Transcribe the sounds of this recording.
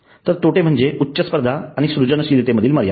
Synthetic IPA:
t̪əɾt̪oʈem̤əɳd͡zeʔutːɕəspəɾd̪ʱaaɽ̃isɾud͡ʑənəɕiɾit̪eməd̪ʱiːlməɾja̰

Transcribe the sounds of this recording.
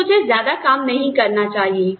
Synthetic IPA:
ʊd͡ʒʱezjaːd̪akaːmnɐɦĩkɐɾnat͡ʃaːɦieː

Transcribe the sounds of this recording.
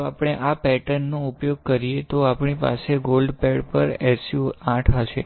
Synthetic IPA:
apɽ̃eʔapɛʈənːõʊpjoɡ̚kəɾiet̪oapɳ̃ipa̰seɡolɖpɛɽpəɾɛsjuãʈʰɦəʃḛ

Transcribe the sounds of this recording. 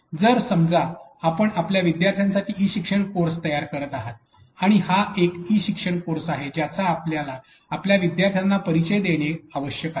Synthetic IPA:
d͡zəɾsəmd͡zaːpəɳapljaʋid̪jaɾt̪ʰjansaʈʰiːiːɕikʂəɳkoɾst̪əjaɾkəɾət̪aɦat̪̚ | aɽ̃ihaekiɕikʂəɳkoɾsaɦed͡ʑjat͡saːpljalaː | pljaʋid̪jaɾt̪ʰjanːapəɾit͡ɕəjd̪eɽ̃eaʋəɕjəka

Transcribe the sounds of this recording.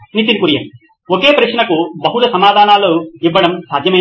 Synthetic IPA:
nit̪inikuɾijɐ̰mi | oke̞ːpɾɐʂnɐkubɐɦulɐsɐmaːd̪ʱaːnaːloːiʋːɐɽɐmsaːd̪jɐmɐj

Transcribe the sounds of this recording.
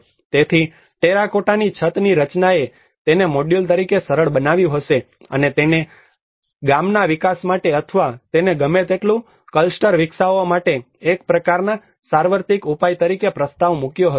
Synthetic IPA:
t̪et̪ʰi | ʈeɾakoʈanit͡ʃʰət̪niɾət͡ʃnae | t̪enemoɖilt̪əɾikesəɾəɭbənaʋjũɦəʃe | ə̰net̪ene | ɡamnaʋikasmaʈeət̪ʰʋat̪eneɡəmet̪eʈlũ | kəlsʈəɾʋɪksaʋomaʈeː | kpɾəkaɾna | saɾʋəɾt̪ikupajt̪əɾikepɾəst̪aʋmukjoɦə

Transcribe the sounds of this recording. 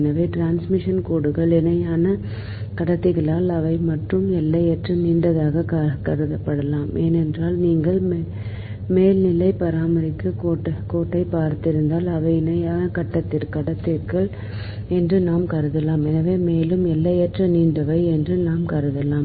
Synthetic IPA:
nɐʋeːʈɾaːnsmɪʂɐnkoːɽɯɣɐɭɛnɐjaːnɐ | kɐɽɐt̪ːɪɣɐɭaːlɐʋɐɪmɐʈrɯmɛlːɐjɛʈrɐniːɳɖɐðaːɣɐkɐkɐɾɯðɐpːɐɽɐlaːmʔeːnɛndraːlniːŋɡɐɭm | meːlnɪlːɐɪpɐɾaːmɐɾɪkːɯkoːʈːɐkoːʈːɐɪpaːɾt̪ɪɾɯnd̪aːlɐʋɐɪɪnɐjaːnɐkɐʈːɐt̪ːɪɾkɐɽɐt̪ːɪɾkɐɭ | ɛndrɯnaːmkɐɾɯðɐlaːmɛnɐʋeːmeːlɯmɛlːɐjɛʈrɐniːɳɖɐʋɐɪɛndrɯnaːmkɐɾɯðɐlaːm

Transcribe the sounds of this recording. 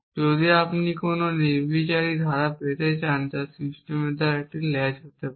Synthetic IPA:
d͡ʒoːd̪iapnikoːnoneɾbit͡ʃaːɾid̪ʱaːɾapet̪et͡ʃaːnd̪asisʈemed̪aɾɛʈillɛd͡ʒɦot̪e

